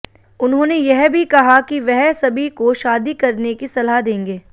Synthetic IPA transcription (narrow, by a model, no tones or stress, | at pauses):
ʊnɦõːnejɛɦbʱikɐɦakiʋɛɦsɐbʱikoʃaːd̪ikɐɾnekisɐlad̪ẽːŋɡeː